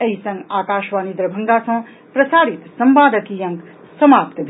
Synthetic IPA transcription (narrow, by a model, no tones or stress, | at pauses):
ɐɦisɐ̃ŋɡaːkaːʃʋaːnid̪ɾɐbʱɐŋɡaːsɐ̃ | pɾɐsaːɾit̪sɐmbaːd̪ɐt̪iːjɐ̃ŋk | sɐmaːpt̪bʱ